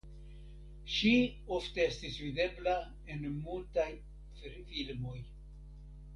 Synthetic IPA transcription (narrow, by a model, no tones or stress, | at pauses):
ʃi | o̞fteestisvide̞bla | e̞nmultaj | ffilmo̞j